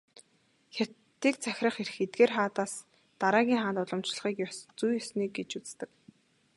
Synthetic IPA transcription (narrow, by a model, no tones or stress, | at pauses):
xʲat̪ːiːk̚t͡sʰæxʲrə̆χer̆xet̪̚ɡeːrχaːt̪aːs | t̪aɾaːɣʲiːŋχaːnt̪ʊɮɞ̆mt͡ɕɮə̆χiːkjɔst͡sujɔsniːk̚ɡet͡ɕut͡sst̪ɘ̆k